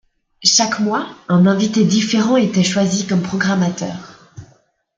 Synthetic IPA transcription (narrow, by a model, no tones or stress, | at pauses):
ʃakmwaɛ̃nɛ̃vit̪ed̪ifeʁɑ̃et̪ɛʃwazikɔmpχɔɡʁamat̪œ̰ːʁ